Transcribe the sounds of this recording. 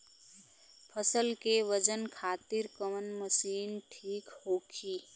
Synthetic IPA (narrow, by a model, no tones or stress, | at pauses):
pʰəsəlkeʋəd͡ʒənkʰaːt̪ɪɾkəmənməsiːnʈʰiːkhoːkʰiː